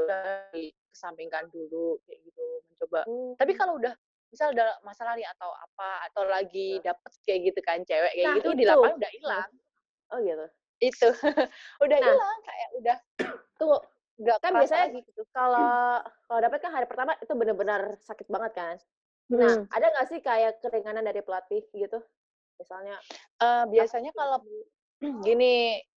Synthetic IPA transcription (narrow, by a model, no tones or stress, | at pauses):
udaikə̥sampiŋkandulukajaɡit̪uməɲt͡ʃobat̪apikaloudah | misaludamasalahniat̪awa̰paat̪awlaɡidapət̪̚kajaʔɡit̪ukant͡ʃewɛʔkajaɡit̪udilapanudahilaŋ | ʔoɡit̪u | it̪uudahilaŋkajaʔudah | t̪uŋ | ɡakanbiasaɲaɡiukalokalowdapət̪̚kanɦaɾipərt̪amaʔit̪ubənərbənərsakɪt̪̚baŋət̪̚kan | ʔadaŋɡaʔsɪhkajakəɾiŋanandaɾipəlat̪ɪhɡit̪u | misalɲa | ʔəbiasaɲakalo | ɡini